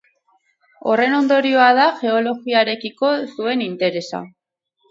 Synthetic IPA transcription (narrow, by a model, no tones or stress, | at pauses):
o̞̰re̞no̞nd̪o̞ɾio̞að̞aʝe̞o̞lo̞ɣiaɾe̞kiko̞sue̞nint̪e̞ɾe̞sa̰